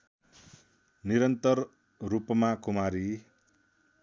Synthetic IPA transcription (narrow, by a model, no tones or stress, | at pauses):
niɾʌnt̪ʌr | rupmakumaɾi